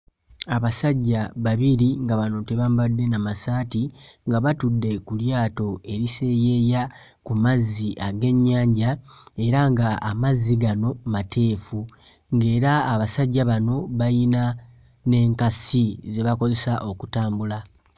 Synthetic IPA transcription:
aβasaɟːaβaβiɾiŋɡaβano̞te̞βambadːe̞namasaːtiŋɡaβatudːe̞kuljaːto̞e̞ɾise̞je̞ja | kumazːiʔaɡe̞ɲːaːɲɟae̞ɾaŋɡaamazːiɡano̞matʰe̞ːfu | ŋɡe̞ːɾaːβasaɟːaβano̞βajina | ne̞ːŋkasize̞βako̞ze̞saʔo̞kutaːmbula

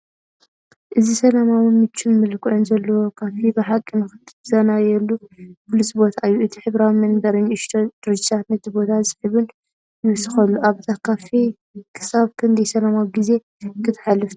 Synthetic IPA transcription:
ʔɨzisɐlamawɨnmɨt͡ʃʰːɪmmɨlkʰʼɨʕonzɐlːɐwokʰafibɨħakʼːinɨxɨt̪z̥ɐnajɛlːupʰulisbo̞t̪ʰaɨjːuʔɨt̪ʰiħɨβɾawimɐnd̪ɐɾɨɲʔɨʃt̪ʰod̪ɨɾɨd͡ʒɪt̪ʰat̪nɐt̪ʰibo̞t̪ʰazɨ̥ħɨβɨn | jɪβɨsɨxɐlːuʔaβt̪ʰakʰafi | kʰɨ̥saβkʰɐnd̪ɐjsɐlamawiɡize̞ | kʰɨt̪ʰħalːɨf

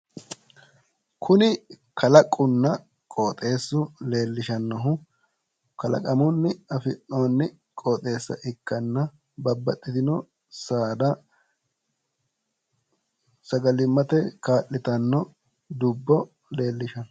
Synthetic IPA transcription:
kʰʊnɪ | kɐlɐkʼːʊnːɐ | kʼoːt̪ʼe̞ːsːʊle̞ːlːɪʃɐnːɐɦʊ | kɐlɐ̰kʼɐmʊnːɪɐfɪʔoːnːɪ | kʼoːt̪ʼe̞ːsːɐ̰ʔɪkːɐnːɐ | bɐbːɐt̪ʼːɪd̪ɪnɔ | saːd̪ɐ | sɐɡɐlɪmːɐt̪ɛkaːʔɪt̪ɐnːɔ | d̪ʊbːɔ | le̞ːlːɪʃɐn

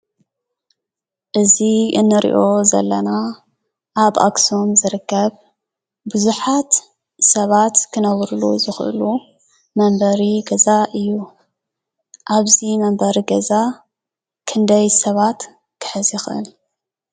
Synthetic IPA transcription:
ʔɨziɨnːɨɾḭʔo̞zɐ̰lːɐna | ʔaβʔa̰ksomzɨɾɨkːɐβ | bɨzuħat̪ | sɐβat̪kʰɨnɐβɾuluzɨxʔɨ̰lu | mɐmbɐɾiɡɐzaʔɨjːu | ʔaβzimɐmbɐɾiɡɐza | kʰɨnd̪ɐjsɐβat̪ | kʰɨ̥ħɨzjɪxʔɨ̰l

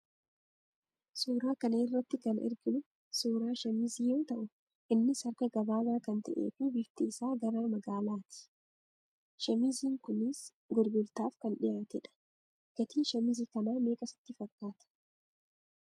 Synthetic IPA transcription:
suːɾaːkɐnɐɪrːɐt̪ːɪkɐnɪ̰ɾɡɪnʊ | suːɾaːʃɐmiziːjoːt̪ɐʔʊ | ʔɪnːɪsɐɾkɐɡɐbaːbaːkɐnt̪ɐʔḛːfiːbɪɡt̪ɪɪsaːɡɐɾaːmɐɡaːlaːt̪ɪ̥ | ʃɐmiziːŋkʊnɪs | ɡʊɾɡʊlt̪aːfkɐnᶑɪjaːt̪ɛᶑɐ̥ | ɡ̥ɐt̪iːʃɐmɪziːkɐnaːmeːkʼɐsɪ̥t̪ːɪfɐkːaːt̪ɐ̥

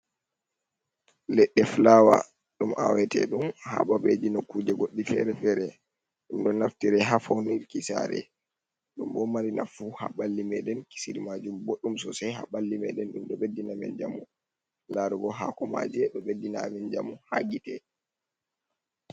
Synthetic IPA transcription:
lɛɗːɛflaːwa̰ | ɗumʔa̰wɛtɛ̰ɗumha̰ɓabed͡ʒinɔkud͡ʒɛɡoɗːifɛ̰ɾɛfɛɾɛ | ɗumɗɔnaftiɾɛɦafowniɾkisa̰ɾɛ̰ | ɗumɓɔmaɾina̰fuha̰ɓalːimɛɗɛnki̥siɾimad͡ʒumboɗːumsɔsajɦaɓalːimɛ̰ɗɛnɗumɗɔɓedːinamɛ̰nd͡ʒa̰mu | laɾuɡɔɦakɔma̰d͡ʒɛɗɔɓedːinamɛnd͡ʒamuhaɡitɛ

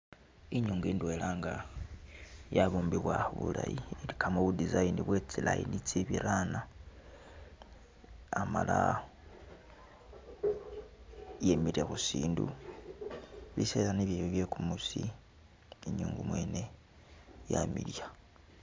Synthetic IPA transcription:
iɲuːŋɡuiːndwelaːŋɡa | jaβuːmbiβwauβṵla̰jilikʰamoβudizainiβwet͡silaḭnit͡siβiɾana | amala | jemiɾexusiːndu | βisesaniβjiβoβje̞kumusi | iɲuːŋɡumwe̞ːne̞ | jamiɾja

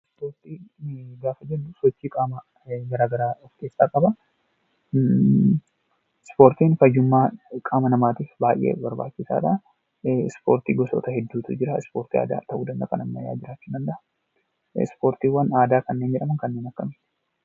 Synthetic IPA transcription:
spoːɾt̪iːɡaːfɐd͡ʒɛd̪ːʊsɔt͡ʃːiːkʼaːmɐ | ɡɐɾaːɡɐɾaːɔfke̞ːsːaːkʼɐbɐ | ɪspo̞ːɾt̪iːnfɐd͡ʒʊmːaːkʼaːmɐnɐmaːt̪iːfbaːjʔḛːbɐɾba̰ːt͡ʃːɪsa̰ːᶑɐ | ɪspoːɾt̪ḭːɡɔsɔ̰ːt̪ɐhɛd̪ːuːt̪ʊd͡ʒɪɾɐɪspo̞ːɾt̪iːa̰ːd̪a̰ːt̪ɐʔuːd̪ɐnd̪ɐkɐnɐmːɐja̰ːd͡ʒɪɾaːt͡ʃːʊd̪ɐnd̪ɐʔɐ | ɪ̰spo̞ːɾt̪iːwɐnaːd̪aːkɐnːeːnd͡ʒɛᶑɐmɐŋkɐnːeːnɐkːɐmɪt̪

